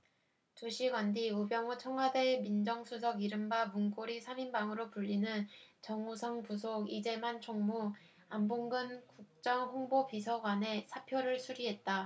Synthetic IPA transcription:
t͡ɕoɕʰiɡwandiubjʌŋut͡ɕʰʌŋɡwademind͡ʑʌŋsʰusʰʌɡiɾɯmbamuŋk͈oɾisʰaminbaŋɯɾopuʎːinɯnt͡ɕʌŋusʰʌŋpusʰoɡid͡ʑe̞mant͡ɕʰoŋmu | amboŋɡɯnkuk̚t͡ɕ͈ʌŋɸoŋbopisʰʌɡwane̞sʰapʰjoɾɯɭsʰuɾiɦe̞t̚t͈a

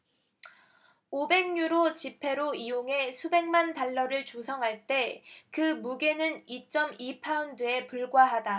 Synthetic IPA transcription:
obe̞ŋɲuɾot͡ɕipʰe̞ɾoijoŋɦe̞sʰube̞ŋmantaɭːʌɾɯɭt͡ɕosʰʌŋɦaɭt͈e̞kɯmuɡe̞nɯnit͡ɕ͈ʌmipʰaundɯe̞puɭɡwaɦada

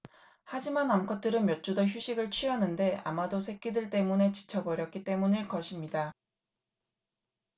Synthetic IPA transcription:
had͡ʑimanamkʰʌt͈ʰɯɾɯnmjʌt̚t͡ɕ͈udʌçjuɕʰiɡɯɭt͡ɕʰɥiʌnɯnde̞a̰madosʰe̞k͈idɯɭt͈e̞mune̞t͡ɕi̥t͡ɕʰʌbʌɾjʌk͈it͈e̞munɯɭkʌɕʰimɲida

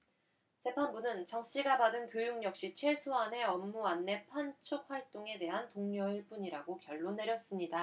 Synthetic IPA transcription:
t͡ɕe̞pʰanbunɯnt͡ɕʌŋɕ͈iɡabadɯnkjojuŋɲʌk̚ɕ͈it͡ɕʰwe̞sʰoɦanɦe̞ʌmːuanːe̞pʰant͡ɕʰok̚ɸwaɭt͈oŋe̞de̞ɦantoŋɲʌiɭp͈uɲiɾaɡokjʌɭːone̞ɾjʌs͈ɯmɲida

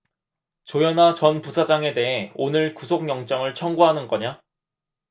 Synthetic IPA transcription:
t͡ɕojʌnat͡ɕʌnpusʰad͡ʑaŋe̞de̞ɦe̞onɯɭkusʰokɲjʌŋt͡ɕ͈ʌŋɯɭt͡ɕʰʌŋɡuɦanɯnɡʌɲa

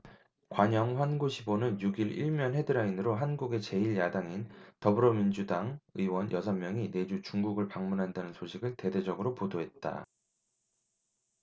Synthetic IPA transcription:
kwaɲʌŋɸwanɡuɕʰibonɯnjuɡiɾḭɭmjʌnɦe̞dɯɾainɯɾoɦanɡuɡe̞t͡ɕe̞iɭjadaŋintʌbɯɾʌmind͡ʑudaŋɯiwʌnjʔʌsʰʌmmjʌŋine̞d͡ʑut͡ɕuŋɡuɡɯɭpaŋmunɦandanɯnsʰoɕʰiɡɯɭte̞de̞d͡ʑʌɡɯɾopodoɦe̞t̚t͈a̰

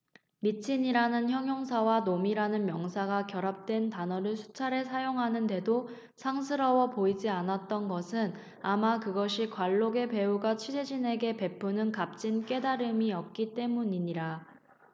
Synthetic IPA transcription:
mit͡ɕʰiɲiɾanɯnçjʌŋjʌŋs̬ʰawanomiɾanɯnmjʌŋsʰaɡakjʌɾap̚t͈we̞ntanʌɾɯɭsʰu̥t͡ɕʰaɾe̞sʰajoŋɦanɯnde̞do | sʰaŋs̬ʰɯɾʌwʌpoid͡ʑianat̚t͈ʌnɡʌsʰɯn | amakɯɡʌɕʰikwaɭːoɡe̞pe̞uɡat͡ɕʰid͡ʑed͡ʑine̞ɡe̞pe̞pʰunɯnkap̚t͡ɕ͈ink͈e̞daɾɯmiʌp̚k͈it͈e̞muɲiɲiɾa

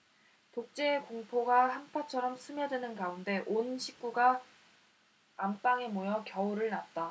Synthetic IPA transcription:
tok̚t͡ɕ͈e̞ːkoŋpʰoɡahanpʰat͡ɕʰʌɾʌmsʰɯmjʌdwenɯnɡaunde̞ʔonɕʰik̚k͈uɡa | amp͈aŋemojʌkjʌuɾɯɭnat̚t͈a

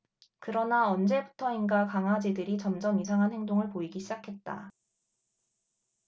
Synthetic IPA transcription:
kɯɾʌnaʌnd͡ʑe̞butʰʌinɡakaŋɦad͡ʑedɯɾit͡ɕʌmd͡ʑʌmisʰaŋɦanheŋdoŋɯɭpoiɡiɕʰid͡ʑakʰe̞t̚t͈a̰

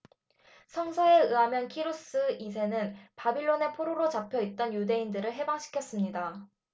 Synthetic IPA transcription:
sʰʌŋsʰʌe̞ɯamjʌnkʰiɾos͈ɯisʰe̞nɯnpabiɭːone̞pʰoɾoɾot͡ɕapʰjʌit̚t͈ʌnjude̞indɯɾɯɭɦe̞baŋɕʰi̥kʰjʌs͈ɯmɲida

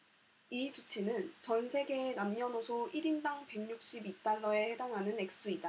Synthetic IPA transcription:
isʰut͡ɕʰinɯnt͡ɕʌnsʰe̞ɡe̞namɲʌnosʰoiɾindaŋpe̞ŋɲuk̚ɕ͈ibit͈aɭːʌe̞he̞daŋɦanɯne̞k̚s͈uida

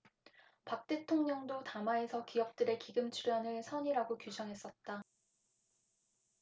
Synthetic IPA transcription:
pak̚t͈e̞tʰoŋɲʌŋdotamae̞sʰʌkijʌk̚t͈ɯɾe̞kiɡɯmt͡ɕʰuɾanɯɭsʰʌɲiɾaɡokjud͡ʑʰʌŋɦe̞s͈ʌt̚t͈a

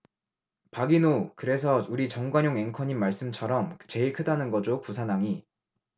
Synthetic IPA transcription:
paɡinokɯɾe̞sʰʌuɾit͡ɕʌŋɡwaɲjoŋe̞ŋkʰʌɲimːaɭs͈ɯmt͡ɕʰʌɾʌmt͡ɕe̞iɭkʰɯdanɯnɡʌd͡ʑopusʰanaŋi

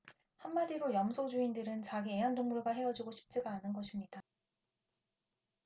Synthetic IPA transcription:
hamːadiɾojʌmsʰod͡ʑuindɯɾɯnt͡ɕaɡiejʌndoŋmuɭɡaɦe̞ʌd͡ʑiɡoɕʰi̥p̚t͡ɕ͈eɡaːnɯnɡʌɕʰimɲid̥a

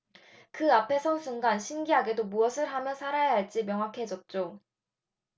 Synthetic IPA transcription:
kɯapʰe̞sʰʌnsʰuŋɡanɕʰinɡiɦaɡe̞domuʌsʰɯɭɦamjʌnsʰaɾajaɦaɭt͡ɕ͈imjʌŋɦwakʰe̞d͡ʑʌt̚t͡ɕ͈o

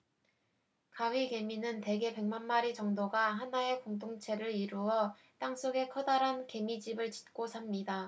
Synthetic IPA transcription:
kaɥike̞minɯnte̞ɡe̞pe̞ŋmanmaɾit͡ɕʌŋdoɡaɦanae̞koŋdoŋt͡ɕʰe̞ɾɯɾiɾuʌ | t͈aŋs͈oɡe̞kʰʌdaɾɦanke̞mid͡ʑibɯɭt͡ɕi̥t̚k͈osʰamɲida

